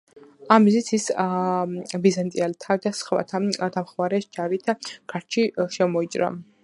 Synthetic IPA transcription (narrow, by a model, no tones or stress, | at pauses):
amizit̪sʰis | bizant̪ʼialt̪ʰad̪asχva̰t̪ʰad̪amχmaɾɛsd͡ʒaɾit̪ʰɡ̥ʰaɾt͡ʃʰiʃɛmɔit͡ʃʼɾa̰